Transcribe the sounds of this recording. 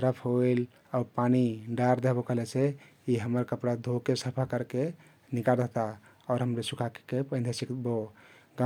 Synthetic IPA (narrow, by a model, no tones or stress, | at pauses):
t̪ɾəpʰɦoil | aːɾpaniɖaɾd̪eɦbokəɦlɛt͡ʃʰe | iɦəməɾkəpɽad̪ʱokesəpʰakəɾke | nikaɾd̪et̪a | ɔːɾɦəmɾesukʰakkepə̃nd̪ʱesikboɡa